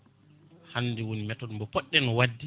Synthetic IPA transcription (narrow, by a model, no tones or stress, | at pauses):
hanːdɛwonimɛtɔnmbɔpɔɗːɛnɔwadːi